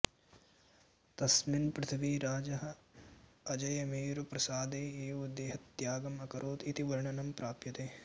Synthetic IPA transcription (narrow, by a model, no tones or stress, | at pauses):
t̪ɐsminpɾɪt̪ʰɐʋiːɾaːd͡ʒɐɦɐ | ɐd͡ʒɐjɐmiːɾupɾɐsaːd̪eːeːʋɐd̪eːɦɐt̪jaːɡɐmɐkɐɾʔoːt̪it̪iʋɐɾɳɐnɐmpɾaːpjɐt̪eː